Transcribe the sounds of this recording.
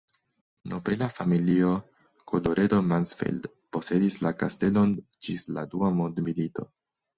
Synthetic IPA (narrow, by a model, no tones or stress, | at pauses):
nopelafamilio̞ | kʰo̞lo̞ɾʔe̞do̞mansfḛld | po̞se̞dislakaste̞lo̞n | d͡ʒisladuamondmilito̞̰